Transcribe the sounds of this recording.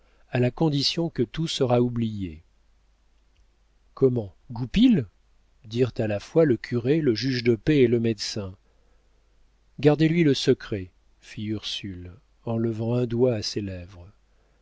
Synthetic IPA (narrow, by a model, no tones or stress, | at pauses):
alakɔ̃d̪isjɔ̃kət̪usəʁaublije | kʰɔmɑ̃ | ɡupil | d̪iʁt̪alafwaləkʲʰyʁeləʒyʒd̪əpeːləmɛd̪sɛ̃ | ɡaʁd̪elɥiləsəkχɛ | fiyʁsyl | ɑ̃ləvɑ̃ɛ̃d̪waːselɛvʁ